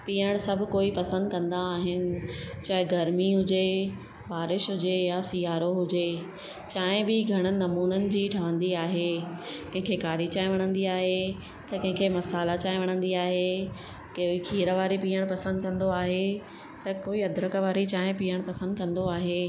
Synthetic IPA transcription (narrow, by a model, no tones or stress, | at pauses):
piːəɽ̃sɐbʱʊ̆koːipɐsə̃nd̪̚kɐ̃nd̪aːɦɪnɪ̆t͡ɕaːɦɪɡɐɾmiɦʊd͡ʑe | baːɾɪʃɦʊd͡ʑejasijaːɾoɦʊd͡ʑeː | t͡ɕaːɦɪ̃bɪɡʱɐɽ̃ə̆nɐmuːnənɪ̆d͡ʑiːʈʰɐʋə̃nd̪iaːɦekɐ̃ɦɪ̃ŋkʰekaːɾit͡ɕaːɦɪ̃ʋɐɽ̃ə̃nd̪iaːɦe | t̪ɐkɐ̃ɦɪ̃ŋkʰemɐsaːlat͡ɕaːɦɪ̃ʋɐɽ̃ə̃nd̪iaːɦe | kikʰiːɾəʋaːɾipiːəɽ̃pɐsə̃nd̪̚kɐ̃nd̪oaːɦe | t̪ɐkoːiɐd̪ɾəkʋaːɾit͡ɕaːɦɪ̃piːəɽ̃pɐsə̃nd̪kɐ̃nd̪oaːɦeː